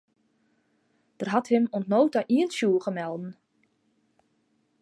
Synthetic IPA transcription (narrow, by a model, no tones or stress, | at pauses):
d̥ərɦathɪmɔntnoːwtaʔiənsjuːəχəmɛlˠdn̩